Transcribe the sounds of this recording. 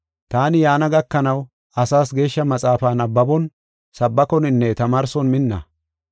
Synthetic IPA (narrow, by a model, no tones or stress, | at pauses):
t̪aːnɪjaːnɐɡɐkːɐnɐw | ɐsaːsɡe̞ːʃːɐmɐt͡sʼaːfaːnɐbːɐbɔn | sɐbːɐkɔnɪnːɛt̪ɐmaːɾsɔnmɪnːɐ̰